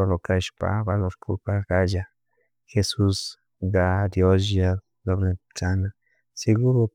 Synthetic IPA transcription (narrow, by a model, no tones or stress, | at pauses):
alokaʃpa̰baloskʰṵlpaɡad͡ʒa | xesus | ɡaɾjozja | lobɾet͡ʃana | seɡuɾo